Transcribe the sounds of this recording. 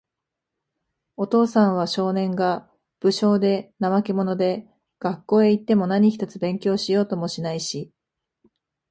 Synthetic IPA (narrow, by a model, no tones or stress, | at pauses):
o̞t̪o̞ːsãɰ̃β̞aɕo̞ːnẽ̞ŋɡa | b̥ɯ̟ɕo̞ːd̪e̞naβakʲimo̞no̞d̪e̞ | ɡ̥akːo̞ːe̞it̪ːe̞mo̞naɲ̟içʲi̥t̪at͡sɨbẽ̞ŋkʲo̞ːɕijo̞ːt̪o̞mo̞ɕinaiɕi